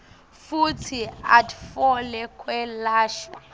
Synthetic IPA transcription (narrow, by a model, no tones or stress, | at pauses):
futʰiatʰfɔlɛkʰwɛlaːʃwa